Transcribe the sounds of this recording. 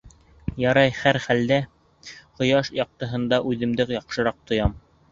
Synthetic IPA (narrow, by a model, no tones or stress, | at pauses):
jɑɾɑjχæɾχæld̪æ | qŏjɑʃjɑq̚t̪ɤ̆ɦɤ̆nd̪ɑʔʉðɘ̆md̪ɘkjɑqʃɤ̆ɾɑq̚t̪ŏjɑm